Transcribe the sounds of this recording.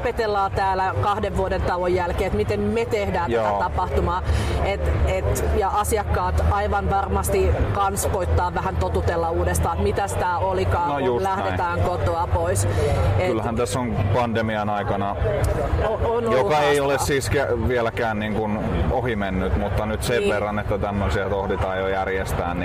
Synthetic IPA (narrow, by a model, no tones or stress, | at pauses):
opet̪elːɑːt̪æːlækɑhdeʋʋuodent̪ɑlojːælkeːet̪mit̪emmet̪ehdæːnjæoætɑpɑht̪umɑːet̪et̪jɑʔɑsiɑkːɑːt̪ɑiʋɑnʋɑrmɑst̪ikɑnskoit̪ːɑːʋʋæhænt̪ot̪ut̪elːɑuːdest̪ɑːet̪mit̪æsi̥t̪æolikɑːnojulæhdet̪æːŋkot̪oɑpoisekylhænt̪æsːoŋpɑndemiɑnɑikɑnɑ | oonjokɑeiolessiːskæʋielækæːnniːŋkun | ohimenːyt̪mut̪ːɑnyt̪seʋʋerːɑnet̪ːæt̪æmːøsiæt̪ohdit̪ɑːjjojærjest̪æ̰ːnni